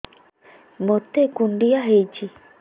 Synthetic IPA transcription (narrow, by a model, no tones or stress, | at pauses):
mot̪ekuɳɖiaɦejt͡ʃi